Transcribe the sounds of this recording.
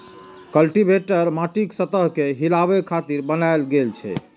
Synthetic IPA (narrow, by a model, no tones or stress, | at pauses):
kəlʈibʱeʈəɾmaʈiksət̪əɦkeɦilabekʰat̪iɾbənaelɡelt͡ʃʰɛ̰